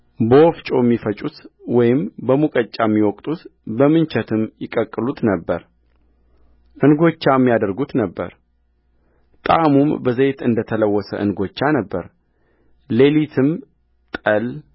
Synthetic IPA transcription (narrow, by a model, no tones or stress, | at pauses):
bəwɔft͡ʃʼo̞ɛmːifət͡ʃʼut̪wɔjɪmbəmukʼət͡ʃʼːamːiwɔkʼt̪ʼut̪bəmɨnt͡ʃʰɛt̪ʰɨmjɪkʼəkʼːɨlut̪nəbːəɾ | ʔɨnɡo̞t͡ʃːamːijad̪əɾɡut̪nəbːə̰ɾ | t̪ʼamumbəzet̪ɨnd̪ət̪ʰələwːɔsə̰ʔɨnɡo̞t͡ʃːanəbːəɾ | le̞lit̪ʰɨm | t̪ʼəl